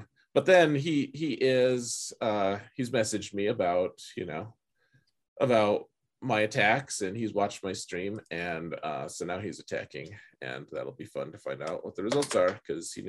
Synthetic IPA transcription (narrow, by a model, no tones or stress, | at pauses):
b̥ʌt̪̚ðɨ̃niiʔɪz̥ʌizmɛsɨd͡ʒd̚miɨbaʊt̚jɨ̰noʊ | ʔəbaʊt̚ | maɪɨtʰæksɨ̃nizwɑt͡ʃt̚maɪstɹ̥ĩmɨ̃nʌ̰soʊnaʊizɨtʰæ̰kɪ̰̃ŋɨ̰̃nðæ̰ɾl̩ˠbifʌ̰̃ntɨ̥fãɪ̃ndaʊʔwʌt̪̚ðɨɹɨzʌlˠtsə˞kʰʌz̥ḭn